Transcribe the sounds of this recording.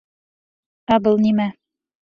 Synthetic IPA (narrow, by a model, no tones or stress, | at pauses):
æbɤlˠnimæ